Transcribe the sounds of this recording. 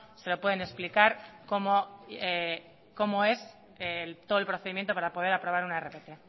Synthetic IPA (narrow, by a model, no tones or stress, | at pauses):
se̞lo̞pwe̞ð̞e̞ne̞splikaɾko̞moe | ko̞mo̞e̞s | elt̪oð̞oelpɾo̞θeðimjent̪o̞paɾapo̞ð̞eɾapɾoβaɾunaere̞pe̞t̪e̞